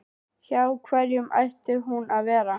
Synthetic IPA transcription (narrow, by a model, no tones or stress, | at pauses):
çaːwkʰvɛɾjʏma̰ɥht̪ʏɦunaðvɛːɾa